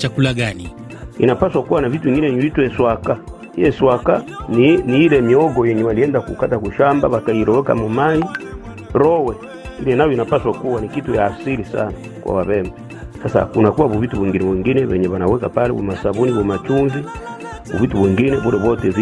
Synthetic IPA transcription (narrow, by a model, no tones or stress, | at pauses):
t͡ʃakulaɡani | ḭnapaswakuwanavituiŋɡinɛɲuitwɛswaka | jɛswakaniniilɛmiɔɡɔjɛɲɛwaliɛndakṵkatakuʃamba̰βakaiɾɔwɛka̰mumai | ɾɔwɛ | iliɛnajɔinapaswakuwanikitujaːsilisa̰na | kwa̰waβɛma | sasa̰kunakuwaβuvituβiŋɡinɛβɛŋɡinɛβɛɲɛβanawɛkapalɛβɔ̰masaβuniβɔmat͡ʃuŋɡi | bṵvituβiŋɡinɛβuɾɛβɔtɛv